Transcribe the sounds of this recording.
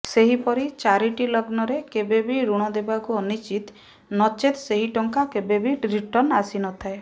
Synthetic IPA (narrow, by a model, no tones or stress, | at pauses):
seɦipɔɾit͡ʃaɾiʈilɔɡnɔɾekebebiɾuɽ̃ɔd̪ebakuɔnit͡ʃit̪ | nɔt͡ʃet̪seɦiʈɔŋkakebebiɾiʈɔɾnasinɔt̪ʰae